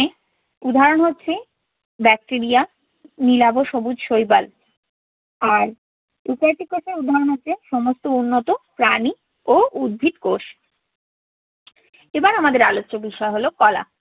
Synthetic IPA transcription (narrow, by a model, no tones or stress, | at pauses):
e | ud̪ʱaɾonɦotːɕʰe | bɛk̚ʈiɾija | nilaboʃobud͡ʑʃojba̰l | aɾ | upajʈikoʃeɾud̪ʱaɾonɦoːt͡ɕʰeʃɔmost̪ounːot̪opɾani | oud̪̚bʱit̪koʃ | ebaɾamad̪eɾaloːt͡ɕːobiʃɔeɦolokɔla̰